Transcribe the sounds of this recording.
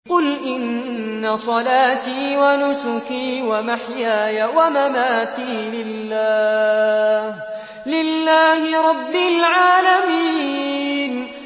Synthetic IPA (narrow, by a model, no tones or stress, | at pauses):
qʊlʔɪnːasˤɑlaːt̪iːwanʊsʊkiːwamaħjaːjawamamaːt̪iːlɪlːaː | h | lɪlːaːhɪɾˤɑbːɪlʕaːlamiːn